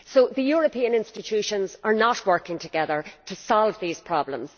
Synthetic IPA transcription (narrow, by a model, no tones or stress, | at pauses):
soðəjɔɹəpʰĩə̃nɪ̃nstɪt͡ʃʰʉʃə̃nzə˞nət̚wɜ˞kɪ̃ŋtʰəɡɛðə˞tʰəsɔlˠvðiːz̥pʰɹ̥ɔblə̰̃mz̥